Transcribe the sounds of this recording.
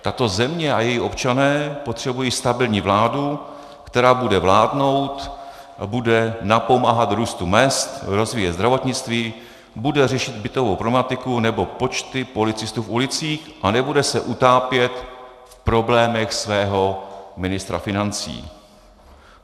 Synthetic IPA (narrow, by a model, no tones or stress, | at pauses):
t̪at̪o̞zɛmɲɛajɛjiʔo̞pt͡ʃanɛːpo̞t̪r̝̥ɛbujiːst̪abɪlɲiːvlaːdu | kt̪ɛɾaːbudɛvlaːdno̞wt̪ | ʔabudɛnapo̞maːɦat̪ɾuːst̪umɛst̪ɾo̞zviːjɛzd̪ɾavo̞t̪ɲɪt͡st̪viː | budɛrɛʃɪd̪bɪt̪o̞vowpɾomat̪ɪkunɛbo̞po̞t͡ʃt̪ɪpo̞lɪt͡sɪst̪uːfulɪt͡siːxʔanɛbudɛsɛʔut̪aːpjɛt̪fpɾo̞blɛːmɛxsvɛːɦo̞mɪnɪst̪ɾa̰fɪnant͡sḭː